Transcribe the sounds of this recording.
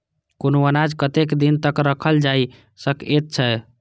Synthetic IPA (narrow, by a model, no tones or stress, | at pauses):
konoənad͡ʒkət̪ekd̪int̪əkɾəkʰəld͡ʒai | səket̪̚t͡ʃʰɛ